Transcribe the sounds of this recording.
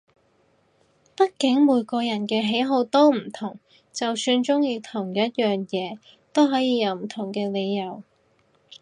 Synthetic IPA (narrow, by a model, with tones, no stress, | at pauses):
pɐ˥t̚kɪ˨˥ŋmuː˨˧jkɔː˧jɐ˨˩nkɛː˧ɦe˨˥jɦo˧wt̪o˥wm̩˨˩t̪ʰʊ˨˩ŋ | t͡sɐ˨wsyː˧nt͡sʊ˥ŋjiː˧t̪ʰʊ˨˩ŋjɐ˥t̚jœː˨ŋjɛː˨˧ | t̪o˥wɦɔː˨˥jiː˧jɐ˨˧wm̩˨˩t̪ʰʊ˨˩ŋkɛː˧le˨˧jːɐ˨˩w